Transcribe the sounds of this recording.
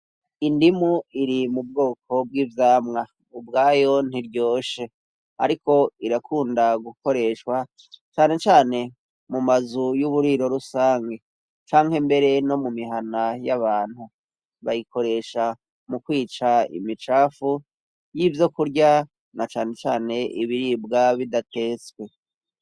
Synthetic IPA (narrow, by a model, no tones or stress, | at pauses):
indimuiɾimub̚ɡo̞ːkʰo̞bɡiːvjaːmŋa | ubɡaːjo̞n̥iɾɟo̞ːʃe̞ | a̰ɾiko̞iɾakʰuːndaɡuko̞ɾe̞ʃwa | t͡ʃaːne̞t͡ʃaːne̞ | mumazujuβuɾiɾo̞ɾusaːŋɡe̞ | t͡ʃaːŋɦembe̞ɾe̞no̞mumiɦanajaβaːn̥hu | βajiko̞ɾe̞ʃa | mukwiːt͡ʃaḭmit͡ʃaːfu | jivjo̞kuɾɟa | nat͡ʃaːne̞t͡ʃaːne̞ʔiβiɾibɡaβidatʰe̞ːswe̞